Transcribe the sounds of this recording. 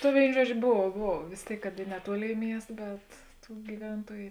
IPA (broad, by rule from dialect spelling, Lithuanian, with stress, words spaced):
tɐ ˈʋʲeːɪnoː ˈʒuɔd͡ʒʲoː ˈboːw ˈboːw ʋʲeːs ˈtʲeːɪk kɐt ɪ nʲɛˈtuɔˌlʲeːɪ ˈmʲiɛst bʲɛt ˈtuː ɡʲiːˈʋʲɛntuɔjʊ